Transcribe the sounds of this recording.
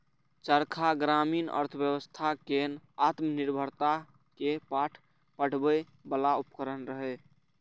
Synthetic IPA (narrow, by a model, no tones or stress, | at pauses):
t͡ʃəɾkʰaɡɾaminə̰ɾt̪ʰbjəβəst̪ʰakenat̪məniɾbʱəɾt̪a | kepaʈʰ | pəɽ̤bə | bəlaupəkəɾənɾəɦɛ